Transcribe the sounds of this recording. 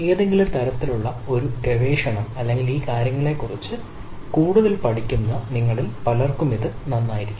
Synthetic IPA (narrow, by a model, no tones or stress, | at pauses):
e̞ːðe̞ŋɡilut̪ɐɾɐt̪ːiluɭːɐo̞ɾuɡeʋeːʂɐɳɐmɐlːe̞ŋɡiliːkaːɾjɐŋːɐɭe̞ːkːurit͡ɕːɨ | kuːɽuðɐlpɐʈʰikʲːunːɐniŋːɐɭilpɐlɐrkumiðɨnɐnːaːjiɾikʲːm